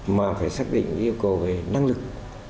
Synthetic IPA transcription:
maː˨˩faː˧˩jsaː˦˥k̚ɗḭ˧˨ŋ̟ʔi˧əwkə˨˩wve˨˩na˧ŋlɨ˨˩k̚

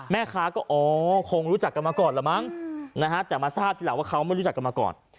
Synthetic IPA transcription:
mɛː˥˩kʰaː˦˥kɔː˥˩ʔɔː˨˦kʰo˧ŋɾuː˦˥t͡ɕa˨˩kːa˧nmaː˧kɔː˨˩nlaː˨˩˦ma˦˥˩ŋna˦˥kʰa˦˥t̪ɛː˨˩maː˧saː˥˩p̚t̪i˧lwaː˥˩kʰa˦˥wma˥˩jɾu˦˥t͡ɕa˨˩kːa˧maː˧kɔ̰ː˨˩n

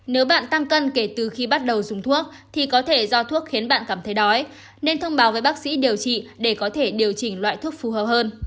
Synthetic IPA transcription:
ne˨˦wɓa̰ː˧˨nt̪a˧ŋkə˧nke˧˩t̪ɨ˨˩xi˧ɓa˦˥t̚ɗə˨˩wzʊ˨˩ŋ͡mt̪ʰu˦˥ək̚ | t̪ʰi˨˩kɔ˨˦t̪ʰe˧˩zɔ˧t̪ʰu˦˥ək̚xi˨˦ənɓa̰ː˧˨nkaː˧˩mt̪ʰə˨˦jɗɔ˨˦j | ne˧nt̪ʰə˧wŋ͡mɓaː˨˦wvəː˨˦jɓaː˦˥k̚sḭ˧˥ɗi˨˩əwt͡ɕḭ˧˨ɗe˧˩kɔ˨˦t̪ʰe˧˩ɗi˨˩əwt͡ɕï˧˩ŋ̟lwa̰ː˧˨jt̪ʰu˦˥ək̚fu˨˩həː˨˩p̚həː˧n

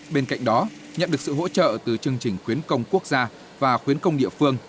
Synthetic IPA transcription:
ɓe˧nka̰˧˨jŋ̟ɗɔ˨˦ | ɲə̰˧˨nɗɨ˨˩əksɨ̰˧˨ho̰˧˥t͡ɕə̰ː˧˨t̪ɨ˨˩t͡ɕɨ˧əŋt͡ɕï˨˩ŋ̟xwi˨˦ənkə˧wŋ͡mku˦˥ək̚z̥aː˧ | vaː˨˩xwi˨˦ənkə˧wŋ͡mɗḭ˧˨əfɨ˧əŋ

